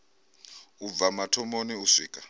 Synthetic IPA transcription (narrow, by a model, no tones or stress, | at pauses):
ub̪vamatʰɔmoniusiːkʼa